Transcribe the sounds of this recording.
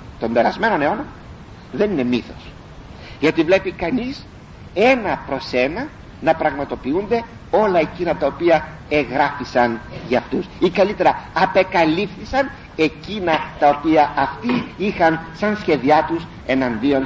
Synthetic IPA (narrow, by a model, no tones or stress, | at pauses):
t̪o̞mbe̞ɾɐzme̞no̞ne̞o̞nomɐ | ðe̞nine̞miθo̞̥̰s | ʝɐt̪ivle̞pikɐnis | e̞nɐpɾo̞se̞nɐ | nɐpɾɐɣmɐt̪o̞piund̪e̞ | o̞lɐe̞cinɐt̪ɐopiɐ | e̞ɣɾɐfisɐnʝɐːft̪usikɐlit̪e̞ɾɐɐpe̞kɐlifθisɐn | e̞cinɐt̪ɐo̞piɐʔɐft̪iixɐnsɐnsçe̞ðiɐt̪us | e̞nɐnd̪io̞n